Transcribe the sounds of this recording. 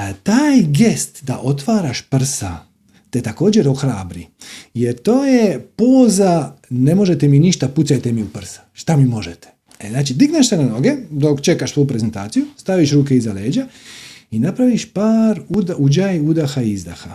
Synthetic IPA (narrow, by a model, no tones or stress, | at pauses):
t̪aːjɡe̞st̪d̪aʔo̞t̪ʋaːɾaʃpr̩sa | t̪et̪ako̞ːd͡ʑe̞ɾo̞xɾaːbɾijeɾt̪o̞ːje̞po̞ːzane̞mo̞ʒet̪eminiʃt̪aput̪sajt̪emiupr̩sḁʃt̪amimo̞ʒet̪e̥ | znaːt͡ʃid̪iɡneʃsenano̞ɡe̞d̪o̞kt͡ʃe̞kaʃsʋo̞jupɾezent̪a̰ːt̪sijust̪aʋiʃɾuːkeizale̞ːd͡ʒainapɾaʋiʃpaːɾud̪aud͡ʒajud̪axaizd̪a̰xa